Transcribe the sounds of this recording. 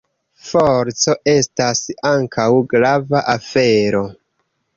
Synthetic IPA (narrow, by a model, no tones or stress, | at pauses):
foɾt͡so̞ʔe̞stasaŋkʰawɡɾavaʔafe̞ɾo̞